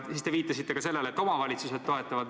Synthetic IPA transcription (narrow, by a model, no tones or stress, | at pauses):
sist̪e̞viːt̪ːˑɑsit̪ːe̞ɡ̥ɑse̞lːeleet̪ːˑo̞mɑvɑlʲit̪sused̪̥̚t̪o̞e̞t̪ːɑvɑd̪